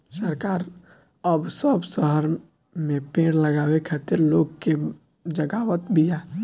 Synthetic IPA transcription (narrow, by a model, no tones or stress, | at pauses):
səɾkaːɾ | əbsəbsəɦəɾ | mẽpẽːɽləɡaːwekʰaːt̪ɪɾloːɡke | d͡ʒəɡaːwət̪bija